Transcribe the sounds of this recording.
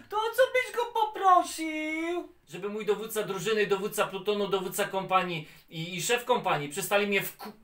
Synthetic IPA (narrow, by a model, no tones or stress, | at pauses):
t̪ɔt̪sɔbɘʑɡɔpɔpɾɔɕiw | ʐɛbɘmujd̪ɔvut̪t̪sad̪ɾuʐɘnɘid̪ɔvut̪t̪saplut̪ɔnud̪ɔvut̪sakɔmpaɲi | iːʂɛfkɔmpaɲipʂɛst̪alʲimɲɛfku